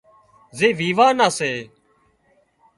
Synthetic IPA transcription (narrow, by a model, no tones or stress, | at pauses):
zeːʋiːʋaːnaːseː